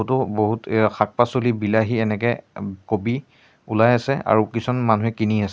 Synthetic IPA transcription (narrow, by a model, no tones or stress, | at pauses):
utʊboɦutxak̚pasolibilaɦiɛnɛk̬ɛkobi | ulajasɛa̰ɹukisɔnmanuɦɛkiniasɛ